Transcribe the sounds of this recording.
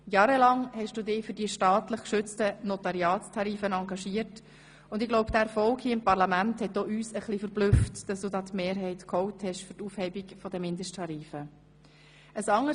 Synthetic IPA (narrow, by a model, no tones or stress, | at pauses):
jɑːɾəlɑŋhɛʃd̥uːdɪːfʏɾdiːʃtɑːtləχkʃʏt͡stənɔtɑɾiɑːttʰɑɾiːfənɑŋɡɑʃiːəɾt | ʊndɪɡloʊbd̥̪æfɔlkhiəɪmpɑʁlɑmænthɛtːoːyːsəχlifəɾblʏftd̥ɑsd̥uːdɑːtmeːɾɦɛɪtkʰhɔʊthɛʃfʏɾtuːfhɛɪbikfɔdəmɪndəʃtʰɑɾiːfə | əsɑŋːə